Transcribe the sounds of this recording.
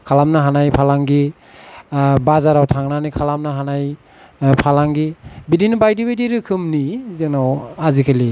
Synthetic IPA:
kʰalamnaɦanajpʰalaŋɡi | bazaɾawtʰaŋnanikʰalamnaɦanaj | pʰalaŋɡibidinbajdibajdiɾɯkʰɯmnizɯŋnawazikʰali

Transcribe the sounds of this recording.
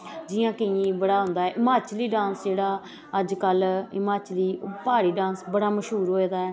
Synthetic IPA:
d͡ʒɪjãːkəĩːbəɽaːɦʊ̃ːnd̪aːɛːʔɪmaːt͡ʃliːɖãːnsd͡ʒeːɽaː | əd͡ʒkəlɪmaːt͡ʃliːpaːɽiːɖãːnsbəɽaːməʃɦuːɾɦoːeːd̪aːɛː

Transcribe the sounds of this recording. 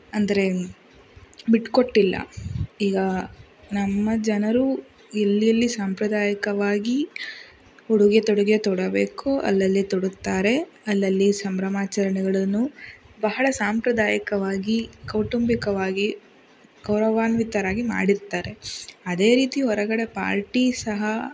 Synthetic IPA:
ɐnd̪ɐɾe̞ | biʈkoʈːilːɐ̰iːɡɐ | nɐmːɐd͡ʒɐnɐɾu | elːijɐlːisaːmpɾɐd̪aːjɐkɐʋaːɡi | uɽuɡet̪ɔɽuɡet̪ɔɽɐbe̞ːkuɐ̰lːɐlːit̪ɔɽut̪ːaːɾe̞ | ɐlːɐlːisɐmbɾɐmaːt͡ʃɐɾɐɳɛɡɐɭɐnːu | bɐɦɐɭɐsaːmpɾɐd̪aːjɐkɐʋaːɡikɐwʈumbikɐʋaːɡi | ɡ̥ɐwɾɐʋaːnʋit̪ːɐɾaːɡima̰ːɽiɾt̪aːɾe̞ɐd̪e̞ːɾiːt̪iɔɾɐɡɐɽe̞pa̰ːɾʈisɐɦɐ

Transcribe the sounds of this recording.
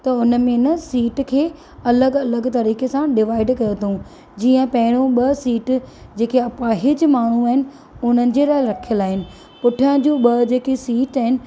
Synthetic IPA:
t̪ɐʊnə̆mẽnəsiːʈkʰeː | ɐləɡɐləɡt̪ɐɾiːkesãɖɪʋaːɪɖkɐjot̪ʰũ | d͡ʑiːə̃pɐɦɪɽ̃õɓɐsiːʈd͡ʑeːkʰeɐpaɦɪd͡ʑʊmaːɳ̤uaːɦɪnɪ̆ | ʊn̤ənɪ̆d͡ʑeːlaːɪɾɐkʰijəlaːɦɪnɪ̆ | pʊʈʰə̃d͡ʑũːɓɐd͡ʑeːkesiːʈaːɦɪnɪ̆

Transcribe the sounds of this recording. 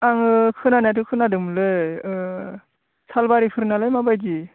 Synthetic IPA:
aŋɯkʰɯnanat̬ʰɯkʰɯnadɯmlɯj | salbaɾikʰɯɾnalajmabajdi

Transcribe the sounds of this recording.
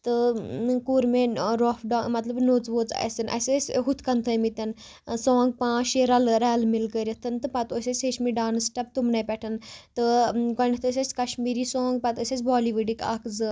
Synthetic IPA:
t̪ɨkuːɾmẽɾɔːfɖamɐt̪lɐbnoːt͡sʋoːt͡sɐ̰sʲɐnʔɐ̰sʲesʲɦut̪ʰkɐnt̪ʰəmit̪ɐn | soːŋɡ̚pãːʃeɾɐlɾɛːlmilkəɾʲɐt̪ʰɐnt̪ɨpɐt̪osʲɐsʲet͡ʃmiɖaːnɨsʈɐp̚t̪umnɐpɛʈʰɐnt̪ɨkɐnit̪ʰəsʲɐsʲkɐʃmiːɾiːsõːŋɡ̚pɐt̪əsʲɐsʲbɔːliʋuɖika̰ːkzɨ

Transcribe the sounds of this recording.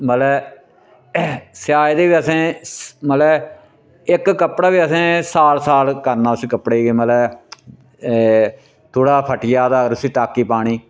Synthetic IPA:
məlɛː | sɪjaːjd̪eːʋiːəsẽːməlɛː | ɪkːəpɽaːʋiːəsẽːsaːlsaːlkəɾnãːsiːkəpɽeːɡeːməlɛː | t̪ʰoːɽaːpʰəʈɪjaːd̪aːɡəɾsiːʈaːkːiːpaːɽ̃iː

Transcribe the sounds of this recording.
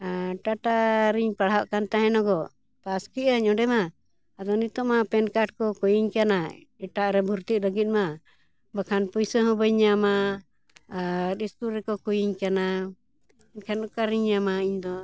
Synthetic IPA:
ʈaʈaɾiɲpaɽ̤ɦawaʔkant̪aɦɛ̃nɔɡɔ | paskiʔəɲɔɖɛmaː | d̪ɔnit̪ɔʔmapɛnkaʈ̚kɔkɔjiɲkana | ɛʈaʔɾɛbʱuɾt̪iləɡit̪̚ˀma | bakʰanpujsəɦɔ̃bəɲːama | ɗispuɾɛkɔkujiɲkana | inkʰanukaɾiɲːamaiɲd̪ɔ

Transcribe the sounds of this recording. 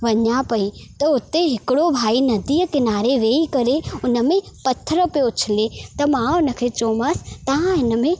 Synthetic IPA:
ʋɐɲapɐit̪ɐʊt̪eɦɪkɪɽobʱaːinɐd̪iːəkɪnaːɾeʋeːikɐɾeʊnə̆mẽ | pɐt̪ʰəɾə̆peʊt͡ʃʰɪlet̪ɐmãʊnə̆kʰeːt͡ɕoːmaːsɪ̥̆t̪ɐʋ̤ãɦɪnə̆mẽ

